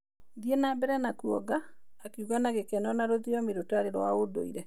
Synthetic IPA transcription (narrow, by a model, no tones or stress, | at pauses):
diɛnabɛɾɛnakuɔɡaː | keuɣanaɣekɛnɔnaɾoðiɔmeɾotaɾeɾɔaodo̰iɾɛ